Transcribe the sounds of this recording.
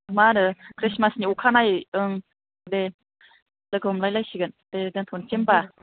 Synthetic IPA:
maɾɯkʰɾismasniukʰanajɯŋ | de | lɯɡɯɦɔmlajlajsiɡɯn | dedɯŋt̪ʰont͡ʃemba

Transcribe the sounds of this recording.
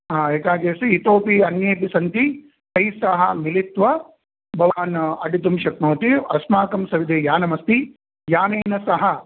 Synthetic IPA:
ɦaːeːkaːɡeːsiit̪oːpiɐnjeːpisɐnt̪i | t̪ɐjsɐɦɐ̰milit̪ʋɐ | bʱɐʋaːnɐɖit̪̬umʃɐk̚noːt̪iɐsmaːkɐmsɐʋid̪eːjaːnɐmɐst̪i | jaːneːnɐsɐɦɐ

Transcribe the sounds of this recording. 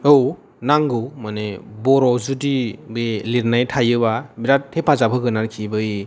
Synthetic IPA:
ɯw | naŋɡɯwmanebɔɾɔzudibeliɾnajtʰajɯbabiɾatʰːepʰazapʰɯɡɯnaɾkʰibɯj

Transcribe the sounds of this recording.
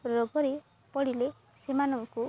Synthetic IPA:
ɾɔɡɔɾe | pɔɽile | semanɔŋku

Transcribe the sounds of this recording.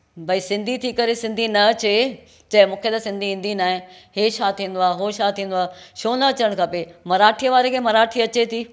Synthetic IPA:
bʱɐisɪ̃nd̪ʱit̪ʰikɐɾesɪ̃nd̪ʱinɐɐt͡ɕe | d͡ʑɐ̃ɦɪ̃mũːkʰet̪ɐsɪ̃nd̪ʱiĩːn̆d̪ʱinaːɦɪ̃ɦeːʃaːt̪ʰĩːnd̪oaːɦoʃaːt̪ʰĩːn̆d̪oaːʃoːnɐɐt͡ɕəɽ̃kʰɐpemɐɾaːʈʰijəʋaːɾekʰeːmɐɾaːʈʰiɐt͡ɕet̪ʰiː

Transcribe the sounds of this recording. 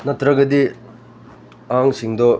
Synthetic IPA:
nɐt̪ɾɐɡɐd̪i | aŋsiŋd̪ɔ

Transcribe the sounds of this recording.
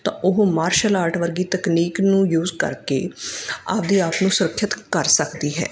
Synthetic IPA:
t̪ã̰ːʔʊɦmaːɾʃəlaːɾʈʰʋəɾɡiːt̪əkniːknũːjuːzkə̰ɾkḛːa̰ːpd̪iːaːpnũːsʊɾəkʰːʃət̪kəɾsəkd̪iːɦɛ̰ː

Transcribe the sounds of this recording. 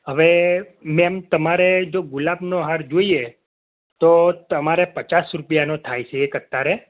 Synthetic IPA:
ɦəʋe | mɛmt̪əmaɾed͡ʒoɡʊlabnoɦaɾd͡ʒoie | t̪ot̪əmaɾepət͡ʃasɾupjanot̪ʰajt͡ʃʰeːkət̪ːaɾe

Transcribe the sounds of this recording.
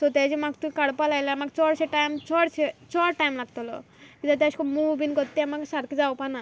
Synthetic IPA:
sɔt̪ɛd͡ʑemakt̪uikaɽpalajlaamak̚t͡sɔɽseʈajmt͡ɕɔɽt͡ʃʰet͡ɕɔɾʈajmlaɡ̚t̪ɔlɔ̰ | kit̪at̪askɔmubinkɔt̪ːeamakesaɾked͡zawpana

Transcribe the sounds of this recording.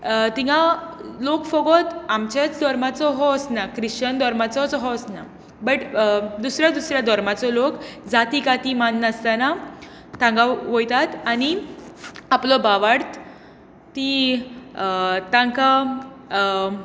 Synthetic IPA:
t̪ĩɡalokfɔɡɔt̪amt͡ɕat͡sd̪ʱɔɾmat͡sɔɦɔsnakɾiɕənd̪ʱɔɾmat͡sɔt͡sɔɦɔsna | bəʈd̪usɾjad̪usɾjad̪ʱɔɾmat͡sɔlokd͡zat̪ikat̪imanːəst̪ana | t̪ãŋɡaʋojt̪at̪ani | aplɔbaʋaɽt̪ | t̪i | t̪ãŋka

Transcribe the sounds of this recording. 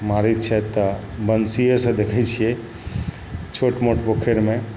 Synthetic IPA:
maɾit̪̚t͡ʃʰɛt̪ɔbənsijesə̃d̪ekʰɛt͡ʃʰijɛ | t͡ʃʰoʈmoʈbokʰeɾmẽ

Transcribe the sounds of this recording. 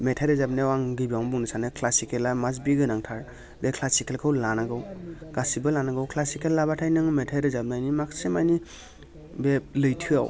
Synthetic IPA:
metʰaɾɯzabnewaŋɡɯbawmbuŋnisanɯkʰlasikelamaz̬biɡɯnaŋtʰaɾ | bekʰlasikelkʰɯwlanaɡɯwɡ̥asibɯlanaɡawkʰlasikelːabatʰajnɯŋmetʰaɾɯzab̚najnimakʰsimajni | belɯjtʰɯa̰w

